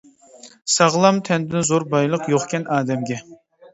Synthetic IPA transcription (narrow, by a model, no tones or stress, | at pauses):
sɑʁlˠɑmt̪ʰɛnd̪ɪnzoɾbɑjlˠəqjoχkʲɛnʔɑːd̪ɛmɡʲɛ